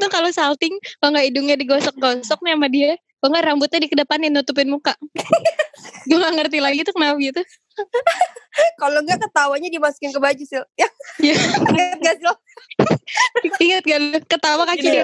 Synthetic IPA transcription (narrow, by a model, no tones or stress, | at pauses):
t̪ʊnkalosalt̪ɪŋkaŋɡaidʊŋɲadiɡɔsɔk̚ɡɔsɔk̚naamadia | kaŋɡaʔrambʊt̪̚ɲadikədəpananut̪up̬ɪnmuka | dulaŋərt̪ilaɡit̪ʊkənawɡit̪u | kaloŋɡakət̪awaɲadimasu̥kɪnkəbad͡ʒusɪljajaiŋt̪̚ɡasil | iŋət̪̚ɡakət̪awakakidi